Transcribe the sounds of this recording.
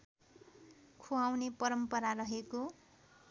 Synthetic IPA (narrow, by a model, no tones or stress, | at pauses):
kʰuawnepʌɾʌmpʌɾaɾʌɦeko